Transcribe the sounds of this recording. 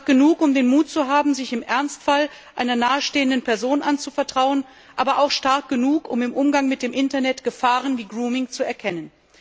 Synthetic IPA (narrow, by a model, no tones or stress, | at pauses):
k̚ɡ̥ənuːkʊmdeːnmuːtt͡suɦaːbm̩zɪçɪmʔɛɐnstfal | ʔaɪnɐnaːəʃteːəndənpɛɐzoːnʔant͡sufɛɐtʁ̥aʊən | ʔaːbɐʔaʊxʃtaɐk̚ɡ̥ənuːkʊ̰mɪmʔʊmɡaŋmɪt̚d̥eːmʔɪntɐnɛtɡ̥əfaːʁənviːɡʁuːmɪŋt͡suɛɐkʰɛnən